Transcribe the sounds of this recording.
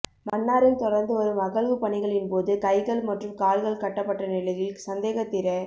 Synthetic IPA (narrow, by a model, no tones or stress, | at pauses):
mɐnːaːɾɪnt̪ɔɽɐɾnd̪ɯʋɐɾɯmɐɣɐɭʋɯpɐɳɪɣɐɭɪnpoːðɯkɐɪɣɐɭmɐʈrɯmkaːlɣɐɭkɐʈːɐpːɐʈːɐnɪlɐjɪlsɐnd̪eːɣɐt̪ːɪɾɐ